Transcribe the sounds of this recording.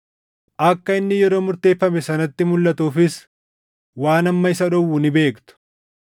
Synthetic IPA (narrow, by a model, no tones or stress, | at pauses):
ʔɐkːɐɪnːɪjɛɾo̞ːmʊɾt̪e̞ːfːɐmɛsɐnɐt̪ːɪmʊlːɐt̪uːfɪs | waːnɐmːɐɪsɐᶑɔwːunɪbe̞ːkt̪ʊ̥